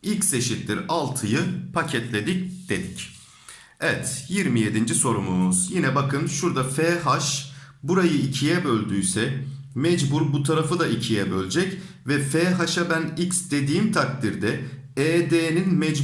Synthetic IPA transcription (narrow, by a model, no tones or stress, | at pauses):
icse̞ʃit̪lʲiɾalˠt̪ʰɯjɯpʰacʰɛt̪lʲe̞d̪ic̚d̪̥e̞d̪ic | ɛvɛt̪jiɾmije̞d̪ind͡ʒiso̞ɾumumuz̥jinɛbakʰɯnʃuɾd̪afɛːɦaʃbuɾajɯicʰijɛbø̞lʲd̪yjsɛ | mɛd͡ʒbuɾbut̪ʰaɾafɯd̪aʔicʰijɛbølʲd͡ʒɛc | vɛfɛːɦaʃabæniksd̪e̞d̪iːmt̪ʰak̚t̪ʰiɾd̪ɛ | ɛːd̪eːninmɛd͡ʒ